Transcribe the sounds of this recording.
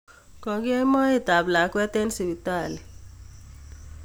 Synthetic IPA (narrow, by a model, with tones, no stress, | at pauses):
kɔ˨ɡe˦ma˦i˦t̪a˨bla˨kwɛ˦t̪e˦nsi˨bi˨t̪a˦˨li˨